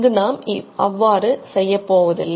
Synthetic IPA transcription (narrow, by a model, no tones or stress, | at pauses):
d̪ɯnaːmɪɐʋːaːɾɯsɛjːɐpːoːʋɐðɪ̰lː